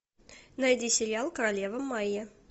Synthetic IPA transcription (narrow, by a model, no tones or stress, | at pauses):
nɐjdʲisʲɪɾʲɪalˠkəɾɐlʲevəmːaje